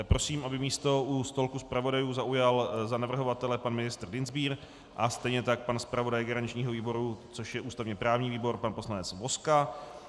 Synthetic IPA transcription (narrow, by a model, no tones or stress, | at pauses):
pɾo̞siːmʔabɪmiːst̪o̞ʔust̪o̞lkuspɾavo̞dajuːzaʔujalzanavr̩ɦo̞vat̪ɛlɛpanmɪnɪst̪r̩dɪnzbiːɾ | ʔast̪ɛjɲɛt̪ak̚panspɾavo̞dajɡɛɾaɲɪt͡ʃɲiːɦoviːbo̞ɾut͡so̞ʃjɛʔuːst̪avɲɛpɾaːvɲiːviːbo̞ɾpanpo̞slanɛt͡svo̞ska